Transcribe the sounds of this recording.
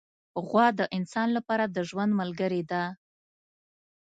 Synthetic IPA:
ɣwɑd̪əʔɪnsɑnlapɑɾad̪əʒwand̪malɡəɾed̪a

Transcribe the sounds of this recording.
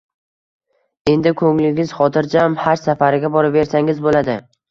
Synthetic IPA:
e̞nd̪ɪkʰɵŋlɪŋɡʲɪz̥χɒt̪ʰɪɾd͡ʒamhaɾsafaɾɪɡʲabɒɾɪpve̞ɾsaŋɪzbolad̪ɪ

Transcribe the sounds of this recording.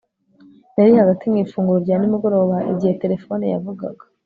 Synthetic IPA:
naɾihaɡatimŋiːfuːŋɡuɾoɾɟaːnimuɡo̞ɾo̞ːβaʔḭɟihe̞te̞ɾe̞fo̞nija̰vuɡa̰ɡḁ

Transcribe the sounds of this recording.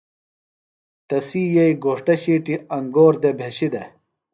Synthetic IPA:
t̪ɐsiːjɐiɡoːʂʈɐɕiːʈiɐŋɡoːɾd̪ebʱeɕid̪e

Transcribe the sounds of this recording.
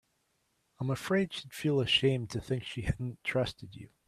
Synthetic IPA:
ãɪ̃məfɹeɪd̥ʃid̥filˠəʃẽɪ̃mtʰɨθɪ̃ŋkʃihædⁿn̩tʰɹ̥ʌstɨdʉ̰

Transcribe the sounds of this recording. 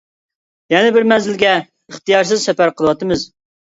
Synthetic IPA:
jɛnɪbɪɾmɛnzɪlɡʲɛ | əχt̪ɨjɑɾs̬ɨzsɛpæɾqʰəlˠəwɑt̪ɨmɨz

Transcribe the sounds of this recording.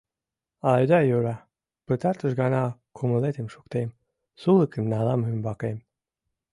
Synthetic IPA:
ɑjd̪ɑjuɾɑ | pət̪ɑɾt̪əʃɡɑnɑkʰuməlet̪emʃukt̪em | suləkʰəmnɑlɑmymbɑkem

